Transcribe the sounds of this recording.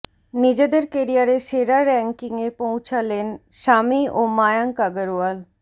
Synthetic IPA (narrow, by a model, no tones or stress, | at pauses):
nid͡ʑed̪eɾkeɾijaɾeseːɾaɾɛ̃ŋkɪŋepõʊ̃t͡ʃʰalenʃaːmioːmaːjaŋkaɡəɾual